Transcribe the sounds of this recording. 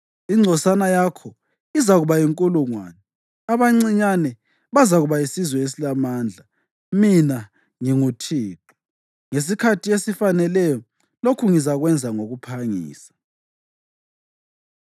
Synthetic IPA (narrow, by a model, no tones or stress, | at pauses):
iŋ͡ǀʱɔsanajakʰɔ | izaɣuβajiŋkʼuluŋwa̰ːnɛ | aβaŋ͡ǀiɲanɛ | βazaɣuβaisizwɛes̬ilamaːnd͡ɮʱa | mina | ŋiŋutʰiːǃu̥ | ŋes̬ikʰatʰiesifanɛlɛjɔ | lokʰuŋizaɣwɛnd͡zʱaŋoɣupʰaŋḭːsḁ